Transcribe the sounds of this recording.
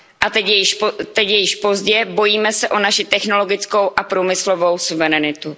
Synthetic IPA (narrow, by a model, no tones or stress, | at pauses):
ʔat̪ɛcjɛjɪʃt̪ɛcjɛjɪʃpo̞zɟɛbo̞jiːmɛsɛʔo̞naʃɪt̪ɛxno̞lo̞ɡɪt͡sko̞wʔapɾumɪslo̞vo̞wsuvɛɾɛnɪt̪u